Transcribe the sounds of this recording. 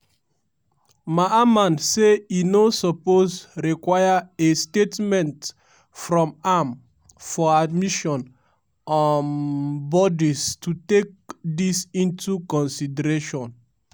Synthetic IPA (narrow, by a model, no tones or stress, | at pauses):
maamãnseinosɔpozɹikwajaestetmɛ̃nt | fɹɔ̃mam | fɔadmiʃɔ̃n | ɔnbɔdistutek̚disĩntukɔ̃nsidɛɾeʃɔ̃n